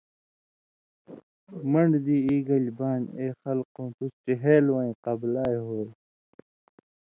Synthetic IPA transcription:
mɐɳɖd̪iːiːɡɐlbaːneːxɐlqõːt̪usʈiɦeːlwaĩqɐblaːjɦoːj

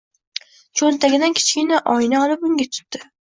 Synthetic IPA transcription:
t͡ʃʰont̪ʰaɡʲɪd̪ankʲʰɪ̥t͡ʃkʲɪnaʔɒjnaɒlˠɪpʊŋɡʲat̪ʰʊ̥t̪ːɪ

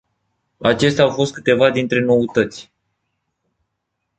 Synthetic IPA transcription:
at͡ʃe̞s̬t̪eawfo̞st̪̚kɨt̪e̞vad̪int̪ɾe̞no̞ut̪ət̪sʲ

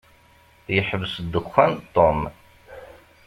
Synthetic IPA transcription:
jəħəvsd̪ːəxænt̪ˤːom

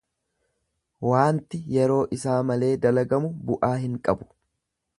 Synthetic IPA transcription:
waːnt̪ɪjɛɾo̞ːʔɪsaːmɐle̞ːd̪ɐlɐɡɐmʊbʊʔaːhɪŋkʼɐbʊ̥

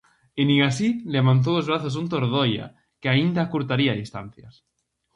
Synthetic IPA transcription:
eniɣasileβant̪̬owozβɾaθos̬unt̪̬oɾðoja̰ | keaind̪akuɾt̪aɾiaðist̪a̰n̟θja̰s

